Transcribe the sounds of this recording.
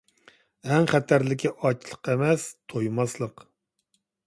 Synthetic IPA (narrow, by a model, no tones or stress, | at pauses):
ɛŋχæt̪ʰæɾlɪkʲiʔɑt͡ʃʰlˠə̥qʰemɛst̪ʰojmɑslˠəq